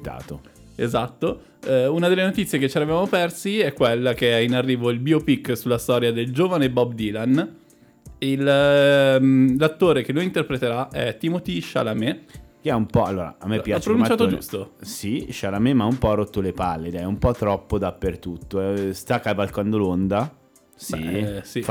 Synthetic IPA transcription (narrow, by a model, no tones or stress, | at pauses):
t̪a̰ːt̪o | ezat̪ːo | unad̪elːenot̪it̪sːjeket͡ʃːeɾavejvamopɛrsiɛkːwelːak̟einarːiːvoilbiopikːsulːast̪ɔːɾjad̪eld͡ʒoːvanebɔbd̪ilan | il | lat̪ːoːɾekenːojint̪erpɾet̪eɾaɛt̪ːimot̪iʃa̰lamekeɛumpɔa̰lːoːɾa̰amːepːjat͡ʃppɾonunt͡ʃat̪od͡ʒṵst̪osiʃalamemaumpɔrot̪ːolepalːed̪ɛumpɔt̪ːɾɔpːod̪apːert̪ut̪ːoɛst̪akːavalkand̪olond̪a | sisi